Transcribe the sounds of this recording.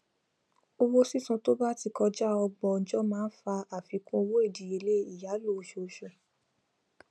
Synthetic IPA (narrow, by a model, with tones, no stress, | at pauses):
o˧wo˦si˦˨sũ˧to˦ba˦ti˧kɔ˧d͡ʒa˦ɔ˧ɡ͡bɔ˧˨n̩˨d͡ʒɔ˦mãː˦fa˧a˦˨fi˨˦kũ˧˦o˧wo˦e˦˨di˨e˧˦le˦i˦˨ja˨˦lo˦˨˦ʃo˧˨˧ʃo˨